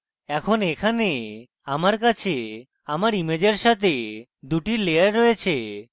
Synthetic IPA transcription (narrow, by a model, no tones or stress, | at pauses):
ɛkʰonekʰane | amaɾkat͡ɕʰe | amaɾimed͡ʑeɾʃat̪ʰe | d̪uʈilejaɾːɔjet͡ɕʰe